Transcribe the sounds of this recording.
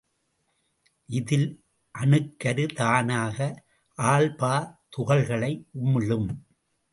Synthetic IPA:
ʔɪðɪl | ʔɐnɯkːɐɾɯt̪aːnaːɣɐ | ʔaːɭpaːt̪ʊɣɐɭɣɐɭɐɪʔʊmɯɻɯm

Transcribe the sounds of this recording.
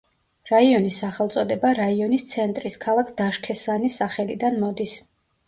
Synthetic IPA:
ɾaiɔnisːaχɛlˠt̪sʼɔd̪ɛbaɾaiɔnist̪sʰɛnt̪ʼɾiskʰalˠakʰd̪̥aʃkʰɛsanisaχɛlid̪anmɔd̪is

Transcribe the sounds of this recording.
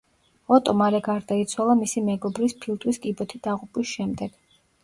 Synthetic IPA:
ɔt̪ʼɔmaɾɛɡaɾd̪ait̪sʰwalˠamisimɛɡɔbɾispʰilˠt̪ʼwiskʼibɔt̪ʰid̪̥aʁupʼwisʃɛmd̪ɛɡ̥

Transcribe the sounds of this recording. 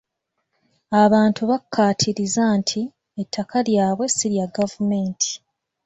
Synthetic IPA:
aβaːntuβakʰːaːtʰiɾizantʰi | etʰːakʰaljaːβwe̞siɾjaɡavume̞ːntʰi̥

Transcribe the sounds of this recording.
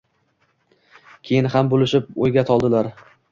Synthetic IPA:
kʲʰe̞jɪnhambolɪʃɪp̚ojɡʲat̪ʰɒlˠd̪ɪlaɾ

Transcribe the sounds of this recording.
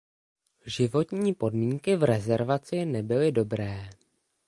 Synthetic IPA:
ʒɪvo̞t̪ɲiːpo̞dmiːŋkɪvɾɛzɛɾvat͡sɪnɛbɪlɪdo̞bɾɛː

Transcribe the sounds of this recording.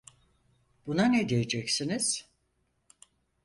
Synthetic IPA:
b̥unanɛd̪ijed͡ʒɛcsiniz̥

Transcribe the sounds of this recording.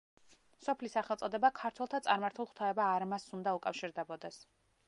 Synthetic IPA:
sɔpʰlisaχɛlˠt̪sʼɔd̪ɛbakʰaɾt̪ʰwɛlˠt̪ʰat̪sʼaɾmaɾt̪ʰulˠχt̪ʰaɛbaːɾmasund̪aukʼafʃiɾd̪ɛbɔd̪ɛs

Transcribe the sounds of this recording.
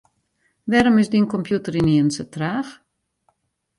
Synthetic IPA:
ʋɛɾomɪsdinkɔmpʰjutəɾiniənsətraːx

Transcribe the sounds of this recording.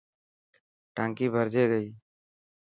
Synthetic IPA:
ʈãːŋkiːbʱəɾd͡ʒʱeːɡəiː

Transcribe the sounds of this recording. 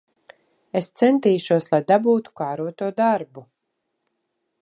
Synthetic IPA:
est̪sɛnt̪iːʃuɔslˠajd̪abuːt̪u̥kaːɾuɔt̪uɔd̪aɾbu

